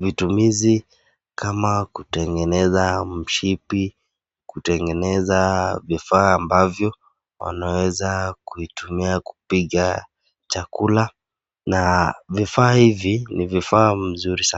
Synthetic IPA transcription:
vitumizi | kamakutɛŋɡɛnɛzam̩ʃipi | kutɛŋɡɛnɛzavifaːmbavjɔ | wa̰nawɛzakuitumiaku̥piɠa | t͡ʃakula | navifaːhivinivifaːm̩zuɾisa

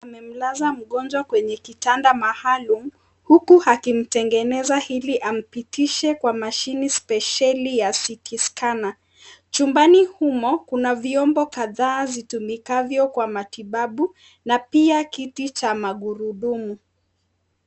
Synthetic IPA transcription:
amɛm̩lazam̩ɠɔnd͡ʒwakwɛɲɛkitandamahalum̩ | hukuhakim̩tɛŋɡɛnɛzahiliʔam̩pitiʃɛkwamaʃinispɛʃalijasitʰiskana | t͡ʃumbanihumɔkunaviɔmbɔkaðaːzitumikavjɔkwamatiɓaɓu | napiakitit͡ʃamaɠuɾuɗumu

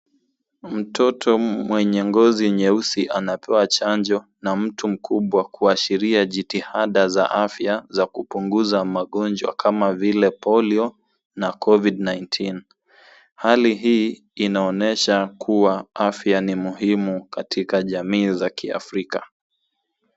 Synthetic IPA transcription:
m̩tʰɔtʰɔmwɛɲɛŋɡɔziɲɛusiʔanapʰɛwat͡ʃand͡ʒɔnam̩tum̩kʰuɓwakuaʃiɾiaʄitihaɗaza̰ʔafjazakupuŋɡuzamaɠɔnd͡ʒwa̰kʰamavilɛpɔliɔ | nakʰɔvidnajntʰin | haliɦiː | naɔnɛʃakʰuwaafjanimuɦimukatʰikaʄamiːzakia̰fɾika

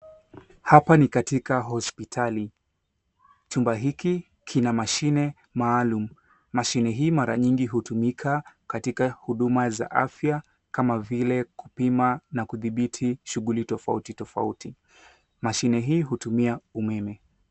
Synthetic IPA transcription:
hapanikatikaɦɔspitʰali | t͡ʃumbaɦiki | kʰinamaʃinɛ | maːlum̩ː | aʃinɛɦiːmaɾa̰ɲiŋɡiɦutumikʰakatikahuɗumaza̰ʔafja | kamavilɛku̥pimanakuðiɓitʰiʃuɣulitɔfa̰utitɔfa̰uti | maʃinɛɦiːɦutumiaumɛmɛ

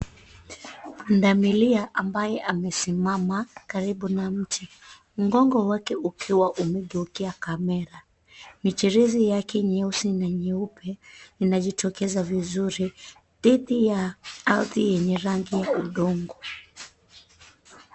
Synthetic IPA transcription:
ndamiliaʔambajɛʔamɛsimamakaɾiɓunam̩tʰi | m̩ɡɔŋɡɔwakɛukʰiwaʔumɛɠɛukiakamɛɾa | mit͡ʃiɾizijakʰɛɲɛusinaɲɛupʰɛninaʄitʰɔkɛzavizuɾi | ðiðijaalðijɛɲɛɾaŋɡijauɗɔŋɡɔ

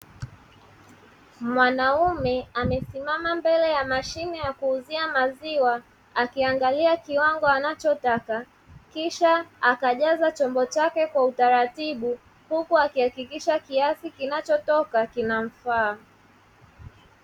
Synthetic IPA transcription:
mwanaumɛamɛsimamambɛlɛjamaʃinɛjakuːziamaziwa | akiaŋɡaliakiwaŋɡɔanat͡ʃɔtaka | kiʃaakaʄazat͡ʃɔmbɔt͡ʃakɛkwautaɾatiɓu | hukuakihakikiʃakiasikinat͡ʃɔtɔkakinam̩faː

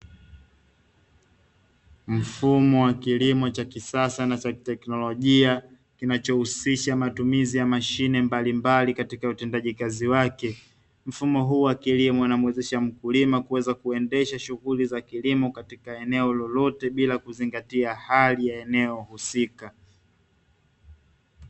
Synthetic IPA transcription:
m̩fumɔwakilimɔt͡ʃakisasanat͡ʃatɛknɔlɔʄia | kinat͡ʃɔhusiʃamatumizijamaʃinɛmbalimbalikatikautɛndaʄikaziwakɛ | m̩fumɔɦuːwakilimɔinamwɛzɛʃam̩kulimakuwɛzakuɛndɛʃaʃuɣulizakilimɔkatikaɛnɛɔlɔlɔtɛɓilakuziŋɡatiahalijaɛnɛɔhusika

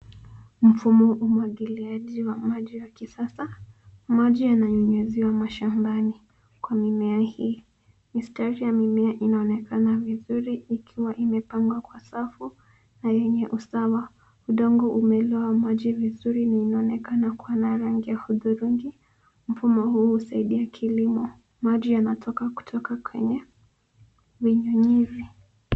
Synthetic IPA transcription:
m̩fumɔʔumwaɠiliaʄiwamaʄiwakisasamaʄijanaɲɔɲɛziwamaʃambani | kwamimɛahiː | mistɛɾijamimɛaʔinaɔnɛkanavizuɾiːkʰiwaʔimɛpaŋɡwakwasafu | najɛɲɛʔusawa | uɗɔŋɡɔʔumɛlɔamaʄivizuɾinainaɔnɛkanakuanaɾaŋɡijahuðuɾuŋɡi | m̩fumɔhuːhusaiɗiakʰilimɔ | maʄijanatʰɔkaku̥tʰɔkakwɛ̰ɲɛ | viɲɔɲivi

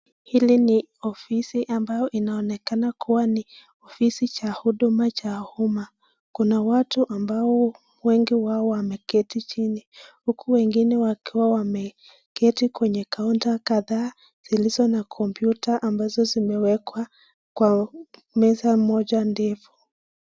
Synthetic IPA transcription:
hiliniɔfisiʔambajɔʔinaɔnɛkanakʰuwani | ɔfisit͡ʃahuɗumat͡ʃahuma | kunawatuʔambaɔ | wɛŋɡiwaɔwamɛkɛtit͡ʃinihukuwɛŋɡinɛwakiwawamɛ | kɛtikwɛɲɛkauntakaðaː | z̥ilizɔnakʰɔmpjutaʔambazɔzimɛwɛkwa | kwa | mɛzamɔʄandɛfu̥

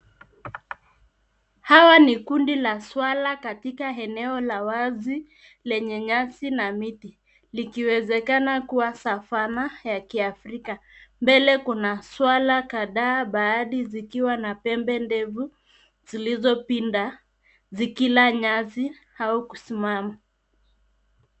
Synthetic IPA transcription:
hawanikundilaswalakatikaɛnɛɔlawazi | lɛɲɛɲasinamiti | likiwɛzɛkanakuwasafanajakiafɾikambɛlɛkunaswalakaðaːɓaːɗizikiwanapɛmbɛndɛvu | zilizɔpinda | zikilaɲazi | haukusimama

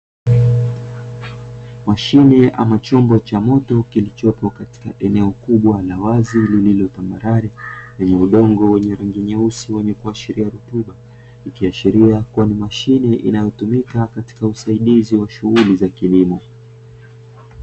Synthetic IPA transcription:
maʃinɛʔa̰mat͡ʃɔmbɔt͡ʃamɔtɔkilit͡ʃɔpɔkati̥kaʔɛnɛɔkuɓwalawazilililɔtamaɾaɾɛlɛɲɛuɗɔŋɡɔwɛɲɛɾɛŋɡɛɲɛusiwɛɲɛkuaʃiɾiaɾutuɓa | ikiaʃiɾiakuwanimaʃinɛʔḭnajɔtumikakati̥kausaiɗiziwaʃuɣulizakilimɔ

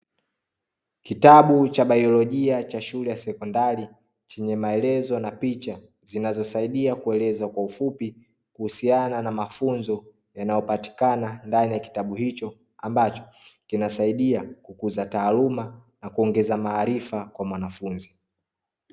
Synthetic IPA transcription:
kitaɓut͡ʃaɓajɔlɔʄiat͡ʃaʃulɛjasɛkɔndaɾi | t͡ʃɛɲɛmaɛlɛzɔnapit͡ʃa | zinazɔsaiɗiakuɛlɛzwakwaufupi | kuhusiananamafunzɔ | janajɔpati̥kanandanijaki̥taɓuhit͡ʃɔ | ambat͡ʃɔ̥kinasaiɗiakukuzataːlumanakuɔŋɡɛzamaːɾifakwamwanafunzi

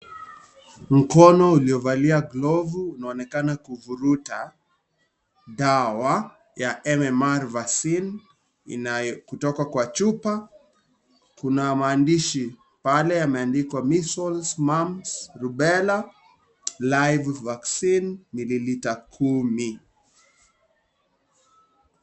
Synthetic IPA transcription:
m̩kɔnɔuliɔvaliaɡlɔvuːnaɔnɛkanakuvuɾuta | ɗawa | jaʔɛmɛmaɾvaksin | ḭnajkutɔkakwat͡ʃupa | kunamaːndiʃi | palɛjamɛandikwamisɔlsmamsɾuɓɛla | lajvvaksinːililitakʰumi

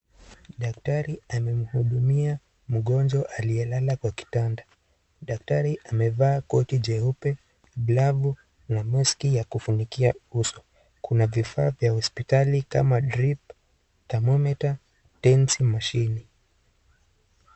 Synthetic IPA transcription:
ɗaktaɾiamɛm̩huɗumia | m̩ɠɔnd͡ʒɔʔaliɛlalakwaki̥tanda | ɗak̚taɾiʔamɛvaːkɔtid͡ʒɛupɛ | blavu | namuskijakufunikiausɔ̥ | kunavifaːvjahɔspitalika̰madɾip | tamɔmɛta | tɛnsimaʃini

